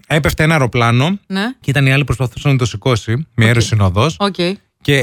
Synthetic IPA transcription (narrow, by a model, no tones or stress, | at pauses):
epe̞ft̪enɐeɾo̞plɐno̞neceit̪ɐniɐlipɾo̞spɐθu̥sɐnɐt̪osiko̞simeeɾosinoðo̞socʲei | ce̞